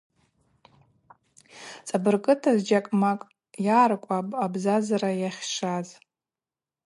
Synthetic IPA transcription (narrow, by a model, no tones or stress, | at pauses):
t͡sʼabɨrkʼɨtʰazd͡ʒakʼmakʼ | jaːrkʷʼapʼabzazaɾajaχʲʂaz